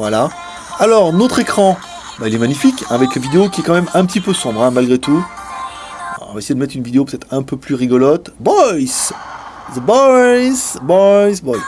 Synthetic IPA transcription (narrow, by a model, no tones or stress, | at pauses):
vwala | alɔʁnot̪χekχɑ̃ | bailɛmaɲifikɛ̃avɛklavid̪eokʲiɛkɑ̃mɛmɛ̃pət̪ipøsɔ̃bʁɛ̃malɡʁet̪u | vaesejed̪əmɛt̪χynvid̪eop̬øt̪ɛt̪χɛ̃pøplyʁiɡɔlɑt̪bɔjs | zəbɔjsbɔjsbɔjs